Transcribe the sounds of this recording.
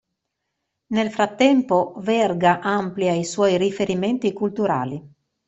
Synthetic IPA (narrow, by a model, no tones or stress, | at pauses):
nelfɾat̪ːɛmpovɛrɡaʔampljaiswɔjrifeɾiment̪ikult̪uɾa̰ːli